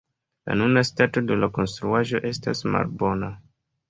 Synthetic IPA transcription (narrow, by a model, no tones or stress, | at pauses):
la̰nunastato̞dulako̞nstɾuaʒo̞ʔe̞sta̰sma̰lbo̞na